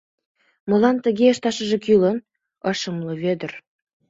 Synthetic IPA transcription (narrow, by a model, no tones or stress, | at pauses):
mɤ̆lɑnt̪ə̆ɣeəʃt̪ɑʃə̆ʒĕkylən | ɤʃəmlɤ̆βød̪ər